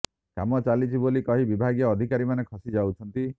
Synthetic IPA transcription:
kamɔt͡ʃalit͡ʃʰibolikɔɦibibʱaɡjɔːd̪ʱikaɾimanekʰɔsid͡ʒawt͡ʃʰɔnt̪i

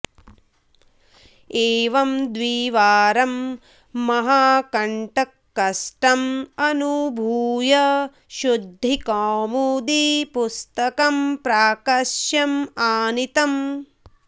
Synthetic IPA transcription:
eːʋɐmd̪ʋiːʋaːɾɐmː | ɐɦaːkɐɳʈɐkːɐsʈɐmɐnubʱuːjɐ | ʃud̪ʱːikaːmud̪ipust̪ɐkɐmpɾaːkɐʃjɐmaːnit̪ɐm

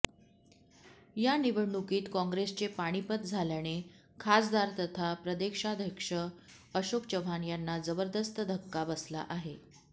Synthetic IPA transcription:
janiʋəɽɳukiːt̪kɔ̃ŋɡɾest͡ɕepaɽ̃ipət̪̚d͡zʱaljaɽ̃e | kʰasd̪aɾt̪ət̪ʰapɾəd̪ekʂad̪ʱjəkʂə | əɕokt͡ɕəʋʱanjanːad͡zəbəɾd̪əst̪əd̪ʱəkːabəsla̰ʔaɦe

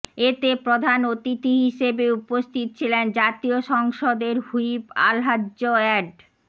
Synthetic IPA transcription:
et̪epɾod̪ʱanot̪it̪iɦiʃebeupost̪ʰit̪o̥t͡ɕʰilend͡ʑat̪ioʃɔŋʃod̪eɾhujipa̰lɦadʑoɛɖ

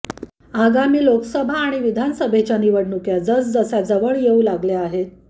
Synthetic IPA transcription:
aɡamiːlokəsəbʱaːɽ̃iʋid̪ʱansəbʱet͡ɕjaniʋəɽnukjad͡zət͡sd͡zəsad͡zəʋəɭjeũlaɡljaaɦet̪

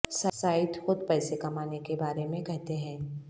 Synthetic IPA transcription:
sasaːɪt̪xʊd̪pɛːsekɐmaːnekebaːɾemẽkɛɦt̪eɦɛ̃ː

